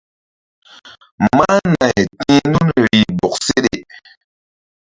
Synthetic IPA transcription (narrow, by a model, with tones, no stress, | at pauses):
ma˦na˨jtĩ˦nu˦nɾi˨bɔ˨k̚se˦ɗe˨